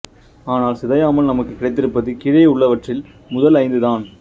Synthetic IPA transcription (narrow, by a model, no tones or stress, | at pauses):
aːnaːlsɪðɐjaːmɐlnɐmɐkːɯkːɪɽɐɪt̪ːɪɾɯpːɐðɯkɪɻɐjʊɭːɐʋɐʈrɪl | mʊðɐlɐɪnd̪ɯðaːn